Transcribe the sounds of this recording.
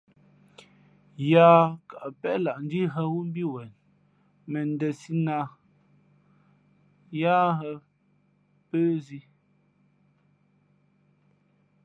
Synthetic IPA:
jaː˦ka˨ʔpɛ˦la˨ʔn̩˦di˦ɦə˦wu˦m̩˦bi˦wɛ˨n | mɛ˨n˦dɛ˨si˦na˦ | jaː˦ɦɛ˦ | pəː˦zi˦

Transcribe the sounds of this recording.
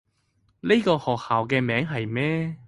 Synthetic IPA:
ne˥jkɔː˧hɔː˨˩k̚haː˨wkɛː˧mɛː˨˥ŋɦɐ˨jmɛː˥

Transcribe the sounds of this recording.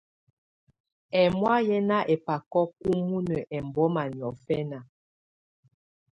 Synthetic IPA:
ɛ˨mwa˦jɛ˦na˦ʔɛ˨pa˨kɔ˦ku˦mu˦nə˨ʔɛ˨m˨bɔ˦ma˨n˨ɔ˨fɛ˦na˨

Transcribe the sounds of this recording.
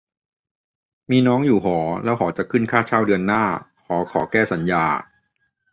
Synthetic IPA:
miː˧nɔː˦˥ŋjuː˨˩ɦɔː˩˦lɛː˦˥wɦɔː˩˦t͡ɕa˨˩kʰɯ˥˩nkʰaː˥˩t͡ɕʰaː˥˩wdɯ˧nːaː˥˩ | hɔː˩˦kʰɔː˩˦kɛː˥˩sa˩˦njaː˧

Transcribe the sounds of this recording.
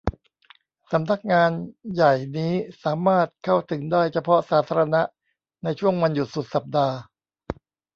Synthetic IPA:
sa˩˦mna˦˥k̚ŋaː˧nja˨˩jniː˦˥saː˩˦maː˥˩t̪̚kʰa˥˩wt̪ʰɯ˩˦ŋdaː˥˩jt͡ɕʰa˧pʰɔ˦˥saː˩˦t̪ʰaː˧ɾa˧na˦˥ʔ | na˧jt͡ɕʰu˥˩əŋwa˧nju˨˩t̪̚su˨˩t̪̚sa˨˩p̚daː˧

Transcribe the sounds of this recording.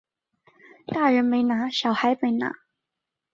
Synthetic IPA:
t̪a˥˩ɻə˧˥nme˧˥ɪna˧˥ɕjɑ˨˩ʊxa˧˥ɪme˧˥ɪna̰˧˥

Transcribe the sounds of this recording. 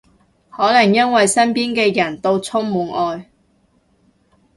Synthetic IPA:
hɔː˨˥lɐ˨˩ŋjɐ˥nwɐ˨jsɐ˥npiː˥nkɛː˧jɐ˨˩nt̪o˧wt͡sʰʊ˥ŋmuː˨˥nʔɔː˧j

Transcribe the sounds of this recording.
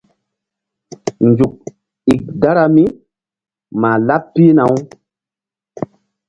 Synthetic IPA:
nd͡ʒu˨k̚ | i˨k̚da˦ɾa˨mi˦ | maː˨la˦p̚pi˦na˨˦w

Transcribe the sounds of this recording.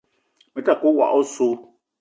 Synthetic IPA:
me˨˦ta˦˨ko˦wa̰˨ʔɔ˦so˦

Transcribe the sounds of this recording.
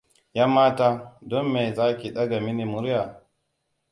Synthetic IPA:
ja˦mːaː˦taː˦dɔ˦mːe˨jzaː˦kʲi˨ɗɐ˦ɡa˨mi˦ni˨mʊ˦ɾja˨

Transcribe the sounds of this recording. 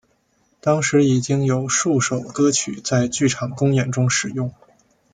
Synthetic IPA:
t̪ɑ˥ŋʂɻ̩˧˥i˨˩t͡ɕi˥ŋjo˨˩ʊʂu˥˩ʂo˨˩ʊkɤ˥t͡ɕʰy̰˨˩˦t͡sa˥˧ɪt͡ɕy˥˩ʈ͡ʂʰɑ˨˩ŋkʊ˥ŋjɛ˨˩nʈ͡ʂʊ˥ŋʂɻ̩˨˩jʊ˥˩ŋ

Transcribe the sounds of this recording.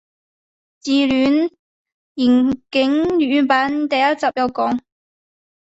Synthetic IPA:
t͡siː˨lyː˨˥n | jiː˨˩nkɪ˨˥ŋjyː˨˥paː˨˥nt̪ɐ˨jɐ˥t̚t͡sɐ˨p̚jɐ˨˧wkɔː˨˥ŋ

